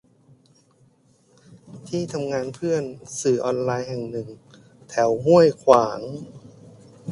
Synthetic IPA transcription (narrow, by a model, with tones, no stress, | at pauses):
t̪ʰiː˥˩t̪ʰa˧mŋaː˧npʰɯ˥˩ənsɯː˨˩ʔɔː˧nlaː˧jɦɛ˨˩ŋnɯ˨˩ŋ | t̪ʰɛ˩˦wmu˥˩əjkʰwaː˩˦ŋ